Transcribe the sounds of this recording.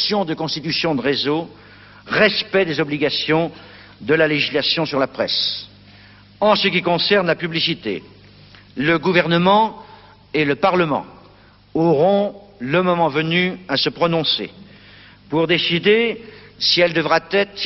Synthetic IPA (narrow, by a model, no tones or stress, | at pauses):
sjɔ̃d̪əkɔ̃st̪it̪ysjɔ̃d̪əʁezo | ʁɛspɛd̪ezɔbliɡasjɔ̃ | d̪əlaleʒislasjɔ̃syʁlapχɛs | ɑ̃səkʲikɔ̃sɛʁnlapyblisit̪ḛ | ləɡuvɛʁnəmɑ̃ | eləpaʁləmɑ̰̃ | ɔʁɔ̃ləmɔmɑ̃vənyasəpχɔnɔ̃sḛ | puʁd̪esid̪esiɛld̪əvʁat̪ɛt̪